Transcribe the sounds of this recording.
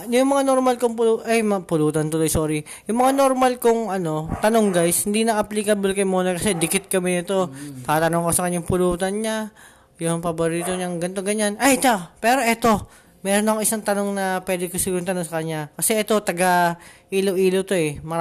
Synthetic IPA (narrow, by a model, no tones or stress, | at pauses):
jʊŋmɐŋanoɾmalkoŋpʊluʔɐjmpʊluːt̪ɐnt̪olojsoːɾi | jʊŋmɐŋano̞ɾmalkoŋɐno̞t̪ɐno̞ŋɡajshɪnd̪inɐʔɐplikɐblkɐjmoːnɐkɐsɛd̪ɪkɪt̪̚kɐmɪnɪt̪o̞t̪aːt̪ɐnoŋkosɐkɐɲːaŋpʊluːt̪ɐnɲa | jʊŋpɐboɾiːt̪o̞ɲaŋɡɐnt̪o̞ɡɐɲanʔɐjt̪apɛːɾo̞ʔɛt̪o̞ | mɛːɾo̞nɐkoŋʔɪsaŋt̪ɐno̞ŋnɐpwɛːd̪ɪkosɪɡʊnt̪ɐnoŋsɐkɐɲːakɐsɛʔɛt̪o̞t̪ɐɡaʔiːlowʔiːlowt̪o̞ɛmɐ